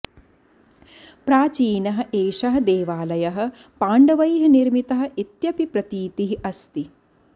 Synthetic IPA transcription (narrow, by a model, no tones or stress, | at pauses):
pɾaːt͡ʃiːnɐɦɐ̆ʔeːʃɐɦɐ̆d̪eːʋaːlɐjɐɦɐ̆ | paːɳɖɐʋɐjɦɐniɾmit̪ɐɦɐ̆it̪jɐpipɾɐt̪iːt̪iɦiʔɐst̪i